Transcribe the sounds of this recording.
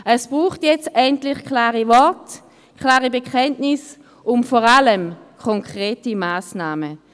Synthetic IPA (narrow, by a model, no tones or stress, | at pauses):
ɛsb̥ʁuːχtjɛt͡stɛntlɪχkʰlaːʁivɔɐt | kʰlaːʁibekʰɛntnɪs | ʔʊmfɔʁaləmkʰɔŋkʁ̥eːtimaːsnaːmə